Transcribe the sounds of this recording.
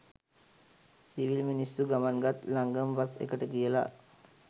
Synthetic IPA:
siʋilminisːuɡamanɡat̪laŋɡəmʋasḛkəʈəkijəla̰

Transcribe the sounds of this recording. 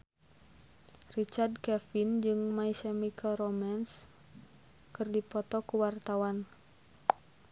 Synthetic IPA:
rit͡ʃard̚kɛfind͡ʒɨŋmaisɛmikʰaɾɔmans | kɨrdipɔt̪ɔkuwart̪awan

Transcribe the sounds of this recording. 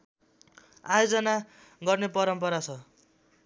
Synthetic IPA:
ajod͡zʌna | ɡʌrnepʌɾʌmpʌɾat͡sʰʌ

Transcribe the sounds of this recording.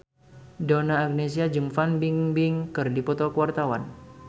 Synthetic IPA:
donaːk̚nes̬iad͡ʒɨŋfanbiŋbɪŋkɨrdipɔt̪ɔkwart̪awa̰n

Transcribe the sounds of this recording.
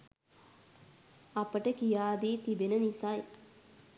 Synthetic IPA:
apəʈəkijaːd̪iːt̪ibenənisaj

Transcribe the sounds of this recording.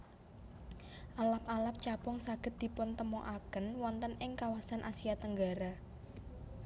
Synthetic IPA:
ʔalap̚alap̚t͡ʃapɔŋsaɡ̥ə̤t̪̚d̪̥i̤pʊnt̪əmɔʔakənwɔnt̪ənɪŋkawasanʔasiat̪əŋɡa̤ɾa

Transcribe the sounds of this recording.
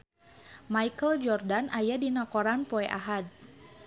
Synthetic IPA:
maikəld͡ʒɔrdanajadinakɔɾanpɔɛʔaɦad̚

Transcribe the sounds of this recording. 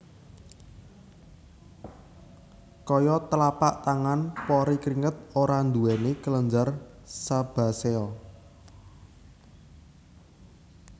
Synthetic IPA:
kɔjɔt̪əlapaʔt̪aŋanpɔɾikɾiŋət̪̚oɾand̪uɛnekələɲd͡ʒarsab̥a̤sɛɔ

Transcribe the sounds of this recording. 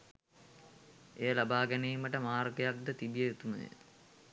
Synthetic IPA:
ejəlabaːɡænejːməʈəmaːrɡejak̚d̪ət̪ibijeet̪umə̰ḛ

